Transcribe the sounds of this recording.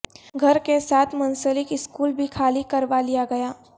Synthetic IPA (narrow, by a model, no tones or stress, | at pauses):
ɡʱɐɾkesaːt̪ʰmɐ̃nsəlɪkɪskuːlbʱikʰaːlikɐɾʋalijaɡɐjaː